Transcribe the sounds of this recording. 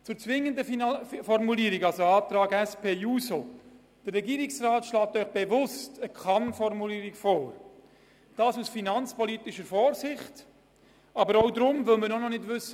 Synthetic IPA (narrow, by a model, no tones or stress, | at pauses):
t͡sʊːɾt͡sʋɪŋːəndəfɔɾmuliːɾiɡɑlsoɑːt̪ɾɑːɡɛspʰeːjuːso | d̥ərːɛɡiːɾɪksraːtʃlaːt̪œʏχb̥evʊstəkχɑnfɔɾmuliːɾikfɔːɾ | d̥ɑːsusfinɑnt͡spɔliːtɪʃəɾfɔːɾsɪχt | ɑbəɾɔʊdɾʊmvʏlmənɔnɔnɪdvʏsə